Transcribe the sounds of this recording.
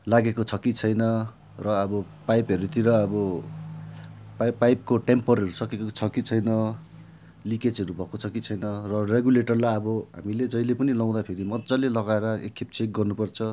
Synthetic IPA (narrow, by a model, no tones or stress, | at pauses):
laɡekot͡sʰʌkit͡sʰʌjnʌ | rʌːbʌ | pajpɦʌɾut̪iɾʌːbʌ | ppajp̚koʈempʌɾʌɾusʌkekot͡sʰʌkit͡sʰʌjnʌ | liket͡sɦʌɾubʱʌkot͡sʰʌkit͡sʰʌjnʌrʌreɡuleʈʌrlajʌbʌɦa̰miled͡zʌjlepʌnilʌw̃d̪apʰeɾimʌdd͡zʌlelʌɡaeɾʌḛkʰːep̚t͡sek̚ɡʌrnupʌrt͡sʰʌ